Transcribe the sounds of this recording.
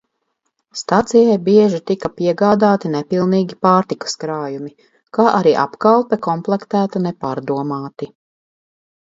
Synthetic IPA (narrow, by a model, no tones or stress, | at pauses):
st̪at̪sijajbiɛʒit̪ikɐpiɛɡaːd̪aːt̪inɛpilˠniːɡʲipaːɾt̪iku̥skɾaːjumi | kaːʔaɾiːʔa̰pkalˠpɛkɔmplˠɛkt̪æːt̪unɛpaːɾd̪uɔmaːt̪i